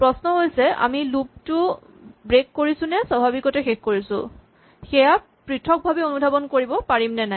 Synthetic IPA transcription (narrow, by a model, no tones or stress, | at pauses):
pɹɔsnɔɦojsɛa̰milup̚tʊ | bɹekːoɹisʊnɛswabʱabikɔtɛxexkoɹisʊ̰̃ | xɛja | pɹitʰɔk̚bʱabionudʱabɔnkoɹibɔpaɹimnɛnaj